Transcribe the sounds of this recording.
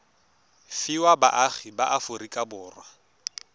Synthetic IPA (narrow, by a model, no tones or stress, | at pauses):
fɪwaba̰ʔaχibaʔafʊrikʼabʊːrwa